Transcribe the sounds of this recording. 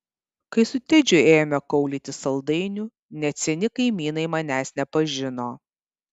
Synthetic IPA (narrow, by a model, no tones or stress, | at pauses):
kɐɪsʊt̪ʲɪd͡ʒʲʊeːjmʲɛkɐʊlʲiːt̪ʲɪsɐlˠd̪ɐɪnʲʊ | nʲɛt̪sʲɛnʲɪkɐɪmʲiːnɐɪmɐnʲæːsnʲɛpɐʒʲɪnoː